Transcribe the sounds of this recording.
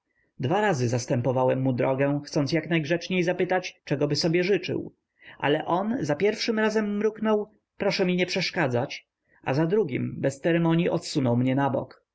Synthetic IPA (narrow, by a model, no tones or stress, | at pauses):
d̪vaɾazɘzast̪ɛmpɔvawɛmːud̪ɾɔɡɛxt̪sɔnsjaknajɡʐɛt͡ʂɲejzapɘt̪at͡ɕt͡ʂɛɡɔbɘsɔbʲjɛʐɘt͡ʂɘ̰w | ʔa̰lɛʔɔnzapʲjɛɾfʂɘmɾazɛmːɾuknɔw | pɾɔʂɛmʲiɲɛpʂɛʂkad̪zat͡ɕ | a̰zad̪ɾuɡʲḭmbɛst̪sɛɾɛmɔɲjiʔɔt̪sunɔwmɲɛnabɔ̰k